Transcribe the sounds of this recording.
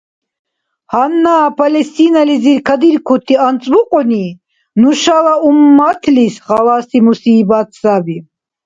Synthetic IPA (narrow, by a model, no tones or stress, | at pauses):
hanːaːpʰalɛst̪inaliziɾkʰad̪iɾkʰut̪ʰiant͡sʼmuqʼɔni | nuʃalaumːat̪ʰlisχalasimusiːbat̪ʰsabi